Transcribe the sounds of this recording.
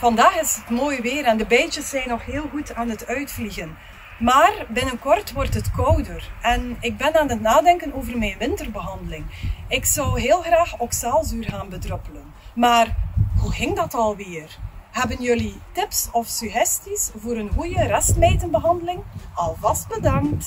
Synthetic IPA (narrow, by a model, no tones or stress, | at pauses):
v̥ɑndaːxɪsətmoːjʋɪːɾɛndəbɛjt͡ʃəsːɛjnɔxɦeːlˠɣutaːnɦətœɥtfliɣən | maːrbɪnənkɔrtʋɔrtɦətkɔwdərɛnɪɡ̚bɛnaːnɦətnaːdɛŋkənoːvərmɛjnʋɪntərbəɦɑndəlɪŋɪksɔwɦɪːlˠɣraːxɔksaːlˠzyːrɣaːnbədrøpələn | maːrhuɣɪŋdɑtɑlˠʋɪːrɦɛbənjølitɪpsɔfsyɣɛstisvoːɾənɣujərɛstmeːtənbəɦɑndəlɪŋɑlˠvɑst̚bədɑŋt